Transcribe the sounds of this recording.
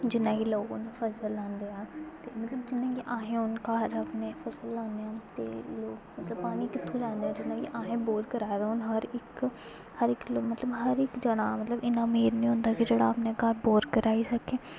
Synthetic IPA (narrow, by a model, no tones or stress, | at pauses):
d͡ʒɪnːãːkiloːɡã̰ːd̪aːpʰəsəlːãːnd̪eːãːt̪eːmət̪ləbd͡ʒɪnːãːkiʔãːɦẽːʊnkaːɾapneːpʰəsəlːãːnd̪eːãːt̪ḛːloːkmət̪ləbpaːniːkɪt̪ʰːõːd͡ʒãːnd̪eːaːd͡ʒɪnːãːkiʔaːɦẽːboːɖkəɾaːd̪aɦʊnɦəɾɪk | həɾɪklomət̪ləbɦəɾɪkd͡ʒəɽaːmət̪ləbɪnãːmeːɾnĩːɦʊ̃nd̪aːkid͡ʒeːɽaːpneːkaːɾboːɾkəɾaːiːsəkeː